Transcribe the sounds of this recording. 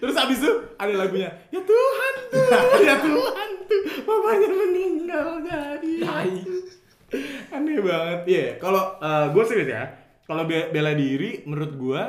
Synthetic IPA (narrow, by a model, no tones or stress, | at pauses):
t̪əɾʊsabɪs̬t̪ʊadalaɡuɲa | jat̪uɦant̪ujat̪uɦant̪umabaɲərməniŋɡald͡ʒadit̪ai | anabaŋət̪̚ijakaloəːɡuasɪbisja̰ | kalobebeladiɾiməɾʊt̪̚ɡua